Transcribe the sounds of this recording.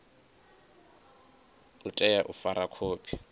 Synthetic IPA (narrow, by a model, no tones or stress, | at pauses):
ʊtʼɛjaʔʊfaɾakʰoːpʰi̥